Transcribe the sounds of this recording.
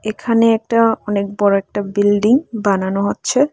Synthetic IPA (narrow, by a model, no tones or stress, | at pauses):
ekʰaneɛk̚ʈaɔnek̚bɔɾoɛk̚ʈabilɖiŋbananoɦotːɕʰe